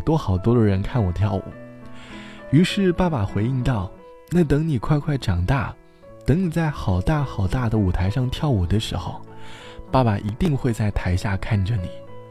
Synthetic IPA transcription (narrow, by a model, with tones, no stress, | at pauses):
t̪wɔ˥xɑ˨˩ʊt̪wɔ˥d̪ə˧ɻə˧˥nkʰa˥˩nwɔ˨˩t̪ʰjɑ˥˩ʊṵ˨˩˦ | y˧˥ʂɻ̩˥˧pa˥˩ba˨˩xwe˧˥ɪi˥˧ŋt̪ɑ˥˩ʊ | na˥˩t̪ɤ˧˥ŋni˨˩kʰwa˥˧ɪkʰwa˥˩ɪʈ͡ʂɑ˨˩ŋt̪a̰˥˩ | t̪ɤ˧˥ŋni˨˩t͡sa˥˩ɪxɑ˨˩ʊt̪a˥˩xɑ˨˩ʊt̪a˥˩d̪ə˨u˨˩t̪ʰa˧˥ɪʂɑ˥˧ŋt̪ʰjɑ˥˩ʊɔ˨˩d̪ə˦ʂɻ̩˧˥xo̰˧ʊpa˥˩pa˨˩ʔi˧˥t̪i˥˧ŋxwe˥˧ɪt͡sa˥˩ɪt̪ʰa˧˥ɪɕja˥˧kʰa˥˩nʈ͡ʂə˩ni˨˩˦